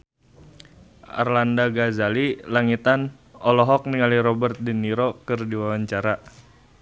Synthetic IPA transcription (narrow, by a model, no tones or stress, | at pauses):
ʔa̰rlandaɡazalilaŋit̪an | ɔlɔɦɔk̚niŋaliɾɔbərt̪̚diniɾɔkɨrdiwawaɲt͡ʃaɾa